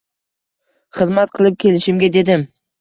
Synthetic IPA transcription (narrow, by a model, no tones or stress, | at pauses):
χɨzmat̪̚qʰɨlˠɪp̚kʲʰe̞lɪʃɪmɡʲad̪e̞d̪ɪm